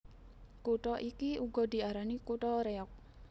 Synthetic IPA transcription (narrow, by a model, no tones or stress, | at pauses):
kuʈɔʔikiuɡɔd̪̥i̤aɾanikuʈɔɾeɔk̚